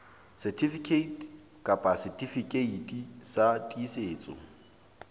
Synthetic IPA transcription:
sɛtʰifikʰeitʰ | kʼapʼasɛtʰʼifikʼeitʼisatʼiːseːt͡sʼɔ̰

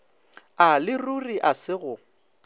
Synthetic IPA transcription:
alɪruriʔasɪɣʊ

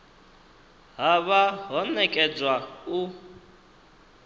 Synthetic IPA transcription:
ɦaβaɦɔnɛkʼɛd͡zwau

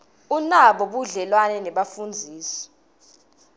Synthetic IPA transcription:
unaɓɔɓuɮɛlwanɛnɛɓafund͡zʱiːsɔ̥

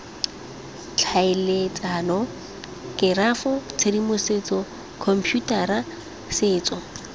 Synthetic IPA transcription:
t͡ɬʰaɪlet͡sʼanɔ | kʼɪrafɔt͡sʰedimʊset͡sʼɔ | kʰɔm̩pʰjutʼara | sɪːt͡sʼɔ

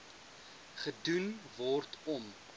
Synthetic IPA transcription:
χədunvɔrtɔm

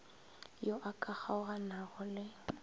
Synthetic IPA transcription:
joʔakʼaχaʊɣanaɣʊlɪ

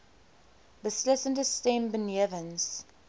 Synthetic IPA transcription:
bɪslɪsə̃ndəstɛ̃mbə̃njɛvə̃ns

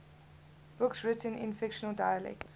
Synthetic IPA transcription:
b̥ʊksɹɪtə̃nɪ̰̃nfɪkʃənəldaɪəlɛ̰kts

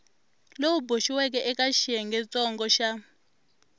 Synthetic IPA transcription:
lowuboʃiwɛk̬ɛʔɛkaʃiɛŋɡɛt͡sʼɔŋɡɔʃa

